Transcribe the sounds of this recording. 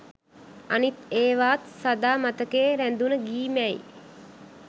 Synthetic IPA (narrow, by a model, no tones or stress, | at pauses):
anit̪eːʋaːt̪sad̪aːmat̪əkeːɾænd̪unəɡiːmɛj̰